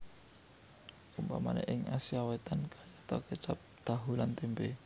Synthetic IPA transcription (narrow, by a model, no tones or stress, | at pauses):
kumpa̰ma̰nɛ̰ʔɪŋasiawɛt̪ankʰajat̪ɔkət͡ʃap̚d̪̥a̤ɦulant̪imbe